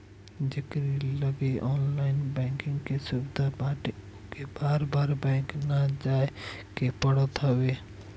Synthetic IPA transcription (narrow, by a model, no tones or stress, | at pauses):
d͡ʒekɾiləɡeʔɔːnlaɪnbɛ̃ŋkɪ̃ŋɡkesubid̪ʱabaʈeokebaɾbaɾbɛ̃ŋknad͡ʒaekepəɽət̪ɦəbe